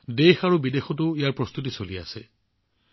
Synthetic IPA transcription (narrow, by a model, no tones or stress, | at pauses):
dexaɹubidexʰɔtʊijaɹpɹɔst̪ut̬isolia̰se